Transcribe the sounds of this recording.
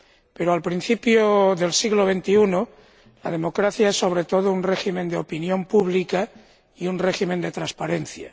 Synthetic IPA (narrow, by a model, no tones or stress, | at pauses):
peɾoalpɾin̟θipjoðe̞lsiɣloβent̪iuno | lað̞emokɾaθjaesːo̞β̞ɾet̪o̞ð̞ounreximẽ̞nd̪eopinjompuβlika | iunreximend̪et̪ɾaspaɾenθja̰